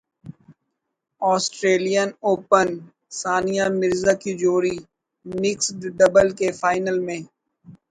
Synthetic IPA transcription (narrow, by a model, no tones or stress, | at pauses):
ɔːsʈɾeːlijənoːpən | saːnijamɪɾzakid͡ʒoːɾi | mɪksɖ̪ɖəbəlkefaːɪnəlmẽː